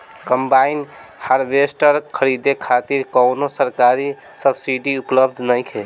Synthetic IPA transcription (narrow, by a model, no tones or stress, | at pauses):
kəmbainhaɾbesʈəɾkʰəɾid̪ekʰat̪iɾkɔʊnosəɾkaɾi | səbsiɖiupləb̚d̪ʱnəjkʰe